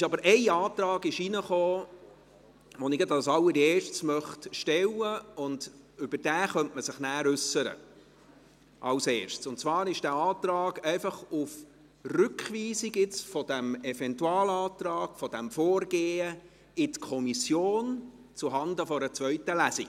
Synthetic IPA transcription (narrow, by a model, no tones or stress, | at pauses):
ɪʃɑbəɾʔɛɪɑːt̪ɾɑːɡɪʃinəχoː | ʋɔnɪɡədɑsɑlːəɾieːɾʃtsmœχtʃtɛwəʊnd | ʏb̥əɾd̥æːχœntməsɪχnæːɾʉsəɾə̰ | ʔɑ̰lseːɾʃtt͡sʊntt͡svɑːɾɪʃd̥æːɑːt̪ɾɑːɡ̥ɛɪfɑχuf | rʏkχʋiːsiɡɪt͡sfɔd̥̪æmɛvɛntuɑːlɑːt̪ɾɑːɡ̥fɔd̥æmfoːrɡ̥eːə | ɪtkʰɔmisjoːn | t͡suɦɑnd̪əfɔɾət͡sʋœɥt̪əlæsiɡ̥